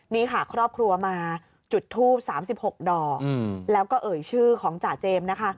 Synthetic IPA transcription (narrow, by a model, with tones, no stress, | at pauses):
niː˦˥˩kʰa˥˩kʰɾɔː˥˩p̚kʰɾu˧ɐmaː˧ | t͡ɕu˨˩t̪ʰːuː˥˩p̚saː˩˦msi˨˩p̚ho˨˩k̚dɔː˨˩klɛː˦˥wkɔː˥˩ʔɤː˨˩jt͡ɕʰɯː˥˩kʰɔː˩˦ŋt͡ɕaː˨˩t̪̚t͡ɕeː˧mna˦˥kʰa˦˥